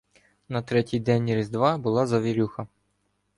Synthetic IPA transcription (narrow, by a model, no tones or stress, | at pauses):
nɐt̪ɾɛtʲijd̪ɛnʲiɾɪzd̪ʋɑbʊlˠɑzɐʋʲiɾʲuxɐ